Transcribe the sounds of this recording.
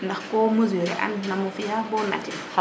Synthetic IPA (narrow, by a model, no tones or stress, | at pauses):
ndaxkɔmuzuɾɛ̰ʔa̰nːamofijabɔna̰ti